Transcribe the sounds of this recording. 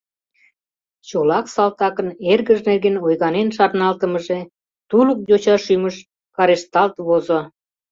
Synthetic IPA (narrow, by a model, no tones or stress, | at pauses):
t͡ɕolɑksɑlt̪ɑkənerɣəʒnerɣenojɣɑnenʃɑrnɑlt̪əməʒe | t̪ulək̚dot͡ɕɑʃyməʃ | kɑɾeʃt̪ɑlt̪βozo